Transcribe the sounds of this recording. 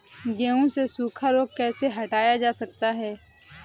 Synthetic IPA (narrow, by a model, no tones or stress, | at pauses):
ɡɛːõsesuːkʰaɾoːɡ̚kɛːseɦɐʈaːjad͡ʒaːsɐk̚t̪aɦɛː